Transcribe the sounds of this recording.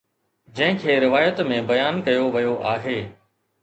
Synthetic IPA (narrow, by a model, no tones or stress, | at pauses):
d͡ʑɐ̃ɦɪ̃kʰeːɾɪʋaːjət̪mẽbɐjaːnkɐjoʋɐjoʔaːɦeː